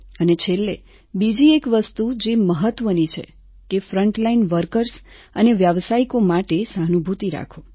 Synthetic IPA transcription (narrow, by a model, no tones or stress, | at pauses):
ənet͡ʃʰelːḛ | bid͡ʒiekʋəst̪ud͡ʒeməɦət̪ʋənit͡ʃʰḛ | kefɾəɳʈlainʋəɾkəɾs | əneʋjaʋsaikomaʈesanubʱut̪iɾa̰kʰo